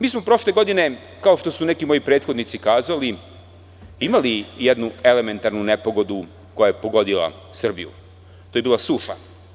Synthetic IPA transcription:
miːsmo̞pɾo̞ʃle̞ɡo̞d̪ine̞ | kao̞ʃt̪o̞sune̞kimo̞jipɾet̪xo̞d̪nit̪sikaːzali | imalijed̪nue̞le̞me̞nt̪aɾnunepo̞ɡo̞d̪u | ko̞jajepo̞ɡo̞d̪ila̰ | sr̩bijṵ | t̪ojbiːlasuʃa̰

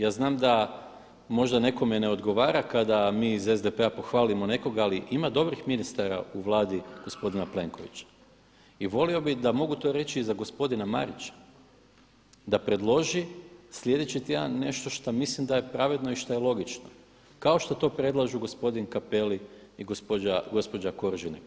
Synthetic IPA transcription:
jaːznaːmd̪a | mo̞ʒd̪ane̞ko̞meneo̞d̪ɡo̞ʋaːɾakad̪amiːzezd̪epe̞apo̞xʋaːlimo̞ne̞ko̞ɡaliʔimad̪o̞bɾixminist̪aɾa̰uʋlˠaːd̪iɡ̥o̞spo̞d̪inaple̞ŋko̞ʋḭt͡ɕḁ | iʋo̞lio̞bid̪amo̞ɡut̪o̞ɾe̞t͡ɕiːzaɡo̞spo̞d̪inama̰ɾit͡ʃḁ | d̪apɾe̞d̪lˠo̞ʒislʲje̞d̪e̞t͡ɕit̪ija̰ːne̞ʃt̪o̞ʃt̪amislimd̪aje̞pɾaʋe̞d̪no̞iʃt̪ajelˠo̞ɡit͡ʃno | kao̞ʃt̪ot̪o̞ːpɾe̞d̪lˠaʒuɡo̞spo̞d̪inkape̞liiɡospoaɡo̞spo̞d͡ʒako̞ɾʒini

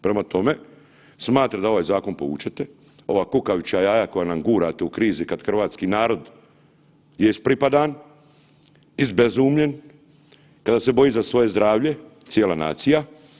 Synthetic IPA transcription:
pɾe̞mat̪o̞me̞ | smaːt̪ɾad̪ao̞ʋaːjzaːko̞npo̞̰ṵːt͡ʃet̪e | o̞ʋaːkukaʋit͡ʃajaːjako̞janamɡuːɾat̪eukɾiːzikad̪xr̩ʋaːt̪skinaːɾo̞d̪ | jeispɾipad̪an | izbezuːmʎe̞n | kad̪ase̞bo̞jizasʋo̞je̞zd̪ɾaːʋʎe̞t̪sjeːlana̰ːt̪sija

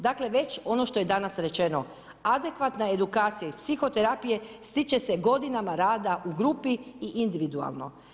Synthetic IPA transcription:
d̪akle̞ʋe̞t͡ɕo̞noʃt̪o̞je̞d̪anasɾe̞t͡ʃe̞no̞ | ad̪e̞kʋat̪nae̞d̪ukaːt̪sijaispsixo̞t̪eɾapije̞st̪it͡ʃe̞se̞ɡo̞d̪inamaɾaːd̪aʔuɡɾupiiʔind̪iʋid̪ua̰lˠno̞̰

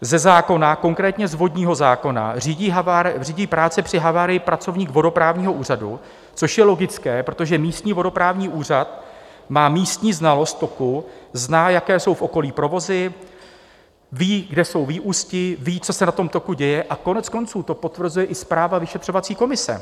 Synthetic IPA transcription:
zɛzaːko̞nako̞ŋkɾɛːt̪ɲɛzvo̞dɲiːɦo̞zaːko̞na̰riːɟiɦaaɾriːɟiːpɾaːt͡sɛpr̝̥ɪɦavaɾɪjɪpɾat͡so̞vɲiːkvo̞do̞pɾaːvɲiːɦo̞ʔuːr̝adṵ | t͡so̞ʃjɛlo̞ɡɪt͡skɛːpɾo̞t̪o̞ʒɛmiːst̪ɲiːvo̞do̞pɾaːvɲiːʔuːr̝at̪ | maːmiːst̪ɲiːznalo̞st̪̚ːo̞kuznaːjakɛːso̞wfʔo̞ko̞liːpɾo̞vo̞zɪ | viːɡdɛso̞wviːʔuːscɪviːt͡so̞sɛnat̪o̞mt̪o̞kuɟɛjɛʔako̞nɛt͡sko̞nt͡suːt̪o̞po̞t̪vr̩zujɛʔɪspɾaːvavɪʃɛt̪r̥o̞vat͡siːko̞mɪsɛ̰

